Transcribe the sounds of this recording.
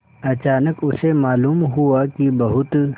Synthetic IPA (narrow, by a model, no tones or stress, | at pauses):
ɐt͡ʃaːnəkʊsemaːluːmɦuakibɐɦʊt̪